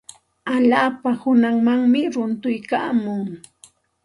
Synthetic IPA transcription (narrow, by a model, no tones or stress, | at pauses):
aʎaːpahʊnaŋmaŋmɪɾʊnt̪ʊjka̰ːmʊŋ